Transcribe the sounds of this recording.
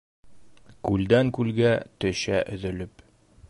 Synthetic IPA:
kʉld̪æŋkʉlɡæt̪ɵ̆ɕæʔɵ̆ðɵ̆lɵp

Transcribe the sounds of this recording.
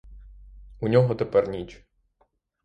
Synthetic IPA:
unʲɔɦɔt̪epɛrnʲit͡ʃ

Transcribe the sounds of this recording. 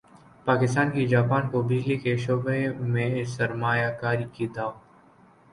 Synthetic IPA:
paːkɪst̪aːnkid͡ʒaːpaːnkobɪd͡ʒlikeʃoːbemẽsɐɾmaːjakaːɾikid̪aː

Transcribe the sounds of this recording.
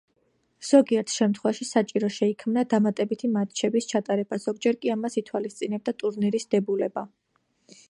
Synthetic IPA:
z̥ɔɡiɛɾt̪ʰʃɛmt̪ʰχwɛvaʃisat͡ʃʼiɾɔʃɛikʰmnad̪amat̪ʼɛbit̪ʰimat̪̚t͡ʃʰɛbist͡ʃʰat̪ʼaɾɛbaz̥ɔɡd͡ʒɛɾkʼiamasit̪ʰwalist̪sʼinɛb̚d̪at̪ʼuɾniɾisd̪̥ɛbulɛba

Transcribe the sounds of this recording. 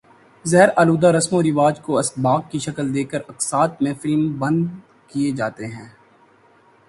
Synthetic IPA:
zɛɦɾaːluːd̪aɾɐsmõɾɪʋaːd͡ʒkoɐsbaːɡkːiʃɐkəld̪eːkəɾɐksaːt̪̚mẽfɪlmbɐ̃nd̪ | kied͡ʒaːt̪eɦɛ̃ː

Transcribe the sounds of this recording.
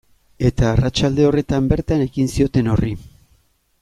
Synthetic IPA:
e̞t̪aːrat͡ʃald̪e̞o̞re̞t̪ambe̞ɾt̪ane̞ɣinsio̞t̪e̞no̞ri

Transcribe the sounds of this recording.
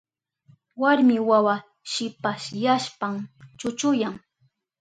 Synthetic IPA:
waɾmɪwawa | ʃɪpaʃjaʃpamt͡ʃʊt͡ʃʊjaŋ

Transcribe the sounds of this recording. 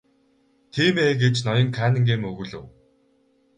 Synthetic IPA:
t̪ʰiːmeːɡet͡ɕnɔjɞ̆ŋkʰæːnɘ̆ŋɡeːmɵɣɵ̆ɮɘ̰̆w

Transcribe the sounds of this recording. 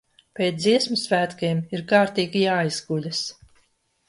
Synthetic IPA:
pʲeːt̪ziɛsmusvæːt̪kemiɾkaːɾt̪iːɡʲijaːizɡulʲas

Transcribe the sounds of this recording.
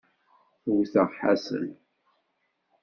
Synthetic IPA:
θwθəʁħa̰sə̰n

